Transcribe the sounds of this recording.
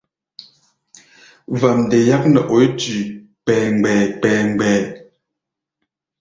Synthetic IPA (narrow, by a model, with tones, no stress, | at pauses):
va˨mndɛ˨ja˦k̚nə˨ʔo˨˦jtʉ˨ | pɛː˨ŋ˨ɡ͡bɛː˨k͡pɛː˨ŋ˨ɡ͡bɛː˨